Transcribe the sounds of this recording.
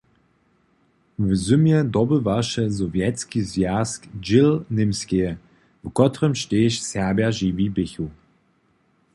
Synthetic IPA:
vəzumjɛd̪ɔbəvaʃəzɔvjɛtskizvjaskd͡ʒɪlnɪmskeə | vkɔtʁəmʃteʃsɛɐbjaʒivibɪçu

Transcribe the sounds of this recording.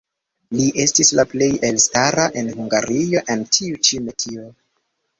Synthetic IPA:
liʔe̞stislaple̞jelstaɾaʔe̞nɦuŋɡaɾio̞ʔendtʰiut͡ʃiumetʰio

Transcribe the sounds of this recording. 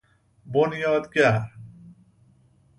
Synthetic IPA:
bonjɔːt̪kja

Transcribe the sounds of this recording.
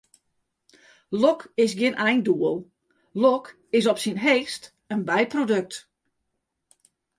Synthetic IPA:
lokɪsɡjɪnʔɛjnduəlˠ | lɔk | ɪsɔpsinɦeːxst | ənbɛjprodøk̚t

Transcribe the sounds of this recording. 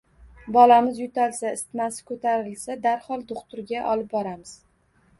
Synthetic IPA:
bɒlamɪzjʊt̪ʰalsaɪst̪masɪ̥kʰɵt̪ʰaɾɪlsad̪aɾhɒlˠd̪oχt̪ʊɾɡʲaʔɒlɪp̚bɒɾamɪz̥

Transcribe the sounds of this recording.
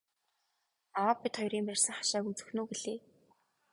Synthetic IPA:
awaːpːit̪χɔjɾiːmpærʲsə̆ŋχḁʃaːkut͡sɵ̆xnoːɡeɮeː

